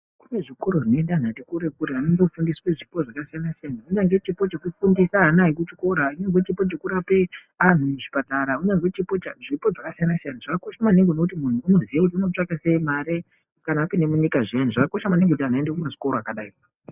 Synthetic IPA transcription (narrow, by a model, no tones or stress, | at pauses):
kune̞ʐikoɾo̞ʐinendan̤atikuɾekuɾeaneŋɡekufundisweʐipo̞ʐakasijanasijanauɲaŋɡe̞t͡ʃipo̞t͡ʃe̞kufundisaɦanaɦikut͡ʃiko̞ɾauɲeŋɡe̞t͡ʃipo̞t͡ʃe̞kuɾape̞ | an̤uneʐipataɾauɲaŋɡe̞t͡ʃipo̞t͡ʃaʐipo̞ʐakasijanasijanaʐakako̞ʃamaneŋɡonokutimun̤uːno̞ziʋakut̬iuno̞t͡ʂakase̞imaɾe | kanaːpinemuɲikaʐian̤uʐakako̞ʃamaneŋɡeutianaendekumaʐiko̞ɾoakaɗaːi